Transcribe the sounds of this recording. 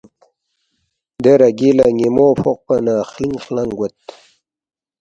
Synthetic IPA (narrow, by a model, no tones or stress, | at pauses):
d̪eɾɐɡilaŋimoːfoq̚pɐnaːχliŋχlɐŋɡwɐt̪